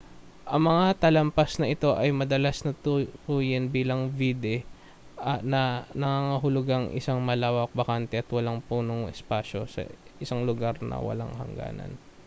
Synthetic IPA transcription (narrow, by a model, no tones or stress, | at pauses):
ʔɐŋmɐŋat̪ɐlɐmpasnɐʔɪt̪o̞ʔɐjmɐd̪ɐlasnɐtp̪uːjɪnbiːlɐŋvid̪ɛ | ʔɐnɐnɐŋaŋɐɦʊlʊɡaŋʔɪ̰saŋmɐlaːwɐk̚bɐkant̪ɛʔɐt̪wɐlaŋpuːnoŋʔɛspaːʃo̞sɐ̰ʔɪsaŋlʊɡaɾnɐ̰wɐ̰la̰ŋhɐ̰ŋɡa̰ːnɐ̰n